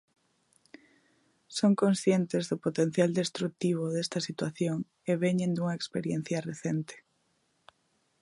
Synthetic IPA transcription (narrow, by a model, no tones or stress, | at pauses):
soŋkõnsθjent̪ɪzðʊpot̪ẽn̟θjald̪est̪ɾuk̚t̪iβ̞oðest̪ɐsit̪waθjoŋ | eβeɲẽnd̪uŋɐekspeɾjen̟θjɐreθent̪e̥